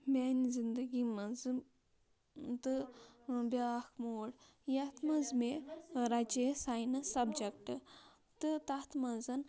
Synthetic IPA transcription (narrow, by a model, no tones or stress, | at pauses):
mʲanizind̪ɐɡimɐzɨ | t̪ɨ | bʲakʰmoːɽ | jɐt̪mɐnzmeɾad͡ʒesajnɐsɐbd͡ʒɐk̚ʈɨ | t̪ɨt̪ɐt̪mɐnzɐn